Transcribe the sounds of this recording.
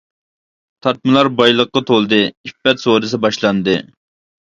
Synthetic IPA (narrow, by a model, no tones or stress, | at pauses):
t̪ʰɑt̪̚mɨlˠɑɾbɑjlˠəqːɑt̪ʰolˠd̪ɨifɛt̪soɾɨs̬ɨbɑʃlˠɑnd̪ɨ